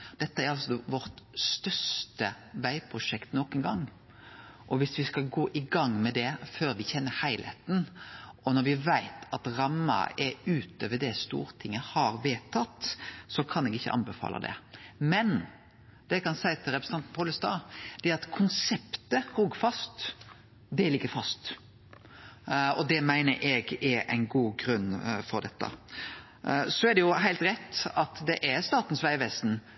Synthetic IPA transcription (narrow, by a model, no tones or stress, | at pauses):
d̪̥ɛt̪ːəæɾɑlsɔʋɔɾt̪st̪œʂt̪ə | ʋæɪpʰɾʊʂɛkt̪nɔkənɡɑŋː | ʔɔʋɪsʋɪskɑɡoːʔɪɡɑŋːmɛd̪ɛføːɾʋɪçɛnːəhæɪlhɛ̰t̪n̩ɔnɔɾʋɪʋæɪt̪ʰɑt̪ɾɑmːɑ̰ɛʉːt̪ʰøːʋəd̪ɛst̪ṵːɾt̪ʰɪŋːəhɑɾʋeːt̪ʰɑt̪ːsɔkʰɑnɛɡɪçːə̰ʔɑ̰nbɛfɑ̰ːlɑ̰d̪ɛ̰mɛn | d̪̥ɛɪkʰɑnsæɪt̪ʰɪlɾɛpɾs̩ɑnt̪n̩pʰɔːləst̪ɑ̰ːd̪̥ɛæɾɑt̪kʰʊnsɛpt̪əhuːɡfɑst̪ | d̪ɛlɪɡːəɾfɑst̪ | ɔd̪ɛmæɪnəɾʔɛɡɛʔæ̰ɪnɡuːɡɾʉnːfɔɾd̪ɛt̪ːə̰ | sɔæɾd̪ɛjʊɦæɪlt̪ɾɛt̪ːɑt̪d̪ɛʔæɾst̪ɑːt̪n̩sʋæɪʋɛst̪n̩